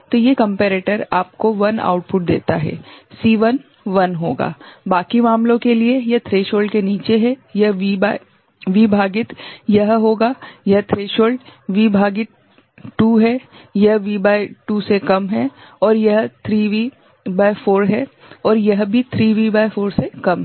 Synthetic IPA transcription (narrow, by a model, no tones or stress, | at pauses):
t̪ojekɐ̃mpɛːɾeːʈəɾaːp̚koʋɐna̰ːʊʈ̚pʊʈ̚d̪ḛːt̪aɦɛ̰ːsiːʋən | ʋɐnɦoːɡa̰ːbaːkimaːmlõkeliejɐɦt̪ʰɾeːʃoːɭɖkeniːt͡ʃeɦɛjɐɦʋiba | ʋibʱaːɡɪt̪jɐɦɦoːɡaːjɐɦt̪ʰɾeːʃoːɭɖʋibʱaːɡɪt̪̚ | ʈuːɦɛjɐɦʋiːbaːiʈuːsekɐmɦɛɔːɾjɐɦt̪ʰɾiːʋi | baːifoːɾɦɛ | ɔːɾjɐɦbʱit̪ʰɾiːʋibaːɪfoːɾsekɐmɦɛ